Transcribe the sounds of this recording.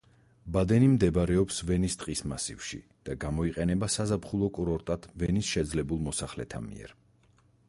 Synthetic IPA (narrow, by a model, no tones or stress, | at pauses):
bad̪ɛnimd̪ɛbɾɛɔpsvɛnist̪ʼqʼisma̰sḭvʃḭ | d̪̥aɡamɔiqʼɛnɛbasazapχulˠɔkʼuɾɔɾt̪ʼad̪ʰvɛnisʃɛd̪zlɛbulˠmɔsaχlɛ̰t̪ʰa̰mḭɛ̰ɾ